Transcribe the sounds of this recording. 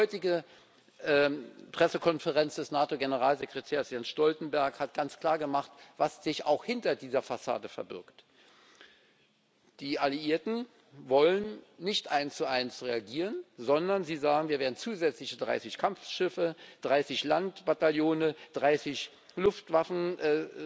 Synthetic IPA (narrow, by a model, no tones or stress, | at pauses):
hɔʏtɪɡə | ʔɛpʁ̥ɛsəkʰɔnfəʁɛnsd̥ɛsnaːtoɡenəʁaːlzekʁ̥etʰeːɐsjansʃtɔltn̩bɛɐkhat̚ɡ̥ant͡skʰl̥aːɐɡəmaχtv̥asz̥ɪça̰ʊxhɪntɐdiːzɐfasa̰ːdəfɛɐbɪ̰ɐkt | d̥iːʔaliʔiːɐtn̩ | vɔlənːɪçtʔaɪnst͡suʔaɪnsʁeaɡiːʁənzɔndɐnziːzaːɡŋ̩viːɐveːɐdn̩t͡suːzɛt͡slɪçədʁa̰ɪsɪçkʰamfʃɪfəd̥ʁaɪsɪçlantb̥ataljoːnəd̥ʁaɪsɪç | lʊftv̥afn̩ʔ